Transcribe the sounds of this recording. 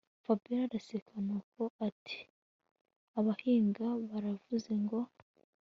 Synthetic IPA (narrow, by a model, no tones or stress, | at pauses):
fabiɾaɾasekʰanako̞ʔatʰi̥ | aβahiːŋɡaβaɾavuze̞ŋɡo̞